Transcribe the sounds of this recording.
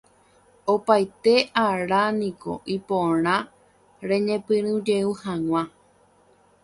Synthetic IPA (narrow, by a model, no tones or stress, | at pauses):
opajt̪e̞ʔaɾanĩko̞̰ʔipõɾ̃ã | ɾẽ̞ɲẽ̞pɨ̃ɾ̃ɨ̃d͡ʒeuhãw̃ʷã